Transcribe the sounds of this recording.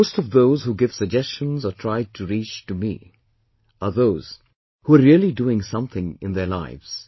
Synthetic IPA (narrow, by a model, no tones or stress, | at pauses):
oʊstʌvðoʊzhuɡɪv̥səɡ̚d͡ʒɛst͡ʃə̃nzətʰɹ̥aɪd̚tʰɨɾit͡ʃtumḭ | əðoʊz̥ | huəɹiəlˠiduɪ̃ŋsʌ̃mθɪ̃ŋɪ̃nðə˞la̰ɪvz̥